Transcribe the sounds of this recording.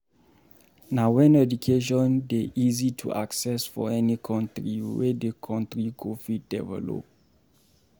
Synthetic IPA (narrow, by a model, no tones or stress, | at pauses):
nawɛ̃nɛdukʰeʃ̬ɔ̃ndeʔizitʰṵʔa̰ksɛsfɔ̰ɛnikʰɔ̃ntɹḭwɛ̰dekʰɔ̃ntɹikʰofit̚d̥ɛvɛ̰lo̰p̚